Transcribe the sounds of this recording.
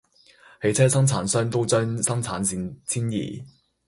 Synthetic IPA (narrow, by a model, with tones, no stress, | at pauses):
he˨˥t͡sʰɛː˥sɐ˥ŋt͡sʰaː˨˥nsœː˥ŋt̪o˥wt͡sœː˥ŋsɐ˥ŋt͡sʰaː˨˥nsi˨t͡sʰiː˥njḭː˨˩